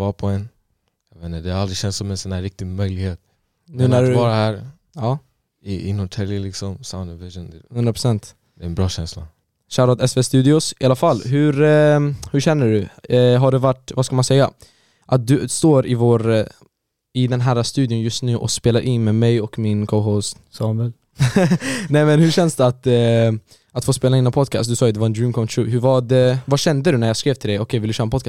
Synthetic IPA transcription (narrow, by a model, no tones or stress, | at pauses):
vɑːpʰɔɛn | jɑvɛnːəd̪ɛhaɾalɾɪɕɛnsɔmɛnsɔnæːɾːɪk̚t̪ɪmœjlɪɡheːt̪̚ | nʉ̟ːnæɖ̪vɑːɾahæɾ | ɑː | ɪɪ̰nːɔt̪ʰɛlɪlɪksɔmsaʊnd̪ɔvɪʒənhɵnd̪ɾapɾʊ̥sɛnt̪ | d̪̥ɛɛnbɾɑːɕɛnsla̰ | ɕæːɾad̪ɛsvest̪ʉ̟ːd̪ɪʊsɪalafalːɦɵ̟ɾhɵɕɛnːəɖɵɦaɖɛvaʈːvaskalmansɛjːa̰ | ʔat̪̚d̪ɵst̪oːɾɪvoːɾ | ɪd̪ɛnɦæːɾast̪ʉ̟ːd̪jʊnjɵst̪nʉ̟ːʔɔ̰speːlaɾʔɪnmɛmɛjɔkmɪnkʰoʊɦɔst̪ | sɑːnvɛl | nɛmɛnhɵɕɛnsd̪ɛat̪ | at̪foːspeːlaɪnːnpʰɔd̪̚kʰɑ̰st̪d̪ɵsɑːɛd̪ɛvaɾɛnd̪ɾiːnkʰɔt̪ʰuːɦɵvaɖɛvaɕɛnd̪əd̪ɵnæɾjɑskɾeːvt̪ʰɪld̪ɛjɔkʰɛjvɪld̪ɵɕœːɾənpɔd̪kʰɑs